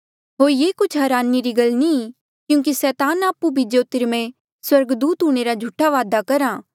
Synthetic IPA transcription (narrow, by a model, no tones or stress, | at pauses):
ɦoːɾjeːkʊt͡ʃʰɦɐɾaːniɾiɡɐlni | kjũːk̬isɛːt̪aːnaːpubʱid͡ʒoːt̪ɪɾmẽ | swɐɾɡd̪uːt̪ɦũːɽ̃eɾad͡ʒʱuʈʰːaʋaːd̪akɐɾãː